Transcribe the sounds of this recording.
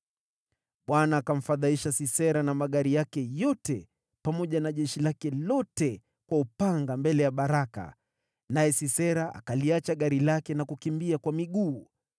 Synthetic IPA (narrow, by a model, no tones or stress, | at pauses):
ɓwanaːkam̩faðaiʃasisɛɾanamaɠaɾijakɛjɔtɛ | pamɔʄanaʄɛʃilakɛlɔtɛ | kwaupaŋɡambɛlɛjaɓaɾaka̰ | najɛsisɛɾaʔa̰kaliat͡ʃaɠaɾilakɛnakukimbiakwamiɠuː